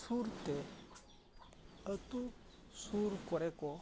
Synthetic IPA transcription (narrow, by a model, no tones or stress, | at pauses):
suɾt̪e | ət̪u | suɾkɔɾekɔ